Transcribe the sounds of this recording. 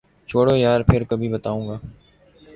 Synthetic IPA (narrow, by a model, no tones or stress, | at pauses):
t͡ʃʰoːɽoːjaːɾpʰɪɾkəbʱiːbət̪aːũːɡaː